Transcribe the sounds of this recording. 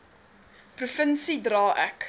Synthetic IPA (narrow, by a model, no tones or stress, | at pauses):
prufənsidrɑːʔæk